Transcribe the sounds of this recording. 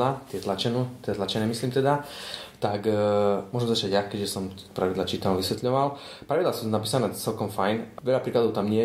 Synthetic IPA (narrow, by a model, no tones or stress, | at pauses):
at̪ɪɛt̪lat͡ʃɛnut̪jɛt̪lat͡ʃɛnɛːmisliːmt̪ɛd̪at̪akmʊɔʒɛmzat͡ʃaɟjakɛʒɛsɔm | pɾaʋid̪lat͡ʃiːt̪anuʋisʋɛt̪ʎɔʋalpɾaʋid̪laːsuːnapiːsanɛːt͡sɛlkɔmfajnʋɛʎapɾiːklad̪ɔʊt̪amɲɪɛ